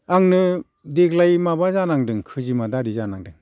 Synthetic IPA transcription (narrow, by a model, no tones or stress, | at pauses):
aŋnɯ | deɡlajmabazanaŋdɯŋkʰɯzimadaɾizanaŋdɯŋ